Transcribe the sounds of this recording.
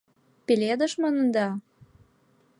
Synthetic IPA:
peled̪əʃmonə̆nd̪ɑ

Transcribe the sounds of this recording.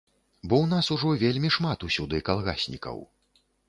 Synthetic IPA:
bɔwnasuʐɔvʲelʲmʲiʂmat̪usʲud̪ɨkalˠɣa̰sʲnʲḭkɐ̰w

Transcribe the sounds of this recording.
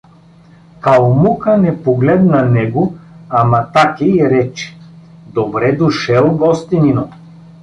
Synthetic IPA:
kalˠmukənɛpoɡlɛd̪nɐnɛɡoamat̪akʲiɾɛt͡ʃɛ̥d̪obɾɛd̪ʊʃɛlˠɡɔst̪inino

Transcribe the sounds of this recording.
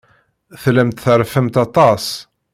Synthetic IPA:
θlæmt̪θəɾˤfəmt̪ɑt̪ˤɑs

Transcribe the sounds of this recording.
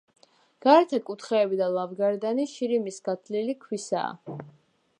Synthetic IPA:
ɡ̥aɾɛt̪ʰakʼut̪ʰχɛːbid̪alˠavɡaɾd̪aniʃiɾimisɡ̥at̪ʰlilikʰwisa̰ː

